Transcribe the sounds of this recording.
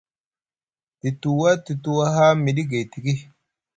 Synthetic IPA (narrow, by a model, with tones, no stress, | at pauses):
ti˨tu˨wa˦ti˨tu˦wa˦ɦa˦mi˨ɗi˦ɡe˨ti˨ɡi˦